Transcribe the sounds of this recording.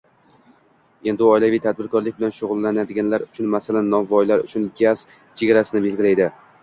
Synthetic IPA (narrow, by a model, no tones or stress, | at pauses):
e̞nd̪ɪɒjlavɪjt̪ʰad̪̚bɪɾkʰɒɾlɪk̚ʲbɪlanʃʊʁʊlˠːanad̪ɪɡʲanlaɾʊt͡ʃʰʊnmasalanːɒmvɒjlaɾʊ̰t͡ʃʰʊnɡʲaz̥ | t͡ʃʰe̞ɡʲaɾasɪnɪbe̞lɡʲɪlajd̪ɪ